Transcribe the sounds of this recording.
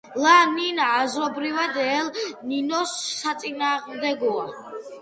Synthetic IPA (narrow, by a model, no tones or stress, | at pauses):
laninaːzɾɔbɾivad̪ɛlninɔsːat̪sʼinaːʁmd̪ɛɡɔa